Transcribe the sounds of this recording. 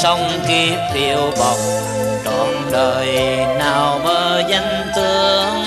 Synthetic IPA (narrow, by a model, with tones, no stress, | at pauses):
sə˧wŋ͡m | ki˧˦ki˧˩əwɓɔ˨˩wk͡p̚ | t͡ɕɔ˨˩nɗəː˨˩jnaː˨˩wməː˧˩zə˧ŋt̪ɨ˧əəəəŋ